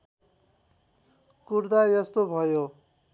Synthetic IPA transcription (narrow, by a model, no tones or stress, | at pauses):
kurd̪ajʌst̪obʱʌjo